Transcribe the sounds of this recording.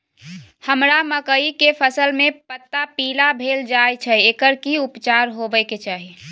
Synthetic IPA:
həmɾaməkəikepʰəsəlmẽpət̪ːapiːlabʱeːld͡ʒajt͡ʃʰəeːkəɾkiʊpt͡ʃaɾɦobəjket͡ʃaːɦi

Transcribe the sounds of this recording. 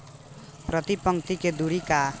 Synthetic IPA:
prʌt̪ipʌŋt̪iked̪uɾika

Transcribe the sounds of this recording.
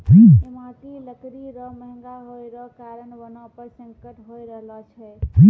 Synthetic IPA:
d͡ʒiemaːkiləkɾiɾəməɦŋɡaɦojɾəkaːɾəɳʋənãpəɾsə̃ŋkəʈɦoiɾəɦlat͡ʃʰeɦi

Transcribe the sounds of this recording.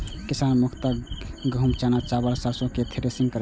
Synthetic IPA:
kisanmukʰt̪əɡɦumt͡ʃanat͡ʃabəɾsasõket̪ʰeʈesiŋɡkəɾ

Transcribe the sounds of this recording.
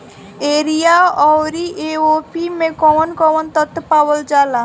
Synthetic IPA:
eɾiaɔwɾiʔeopimekɔmonkɔmont̪ɔt̪ːopawold͡ʒala

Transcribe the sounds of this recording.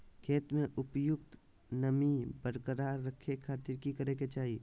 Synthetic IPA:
kʰeːt̪mẽʔʊpjʊkt̪ | nəmibəɾkəɾaːɾːəkʰekʰaːt̪ɪɾkikəɾeket͡ʃaːɦi

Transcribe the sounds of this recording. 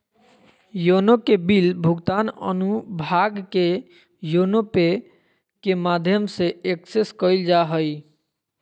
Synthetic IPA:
jonokebilbʱuɡt̪anə̰nubʱaɡke | jonope | kemad̪ʱjəmseekseskəɪld͡ʒaɦəj

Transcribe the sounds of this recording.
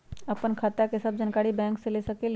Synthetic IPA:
ɐpənkʰaːt̪akesɐb̚d͡ʒənkaːɾibɛ̃ːŋkselesɐkel

